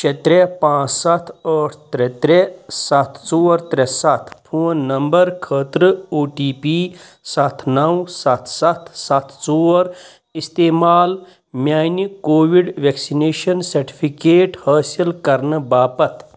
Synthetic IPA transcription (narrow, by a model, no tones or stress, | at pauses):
t͡ʃʰet̪ɾepãːt͡ssɐt̪ʰəːʈʰt̪ɾet̪ɾesɐt̪ʰt͡soːɾt̪ɾesɐt̪ʰpʰoːnːɐmbɐɾkʰəːt̪ɾɨoːʈiːpiː | sɐt̪ʰnɐwsɐt̪ʰsɐt̪ʰsɐt̪ʰt͡soːɾ | ist̪eːmaːl | mjaːjnikoːʋiɖʋeksineːʃɐnsɐɾʈi̥pʰikeːʈhɐːsilkɐɾnɨbaːpɐt̪ʰ